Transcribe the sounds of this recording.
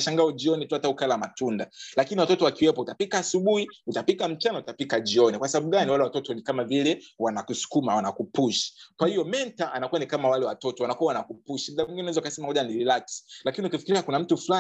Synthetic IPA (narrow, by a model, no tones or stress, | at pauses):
ʃaŋɡaɔʄiɔnituataukalamatundalakiniwatɔtɔwakiwɛpɔutapikaːsuɓuhiutapikam̩t͡ʃanautapikaʄiɔnikwasaɓaɓuɡaniwalɛwatɔtɔnikamavilɛwanakusu̥kumawanakupuʃi̥kwahiɔmɛntaʔanakuanikamawalɛwatɔtɔwanakuawanakupuʃim̩ɗaiŋɡinɛnaɛzaukasɛmahɔʄanililasi̥lakiniukifi̥kiɾiakunam̩tufula